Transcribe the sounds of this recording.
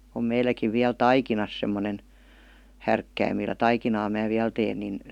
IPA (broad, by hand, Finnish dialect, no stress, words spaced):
om meilækiʋ ʋiæl tɑikinɑs semːonen hærkːæim milːæ tɑikinɑː mæː ʋiæl teːn nin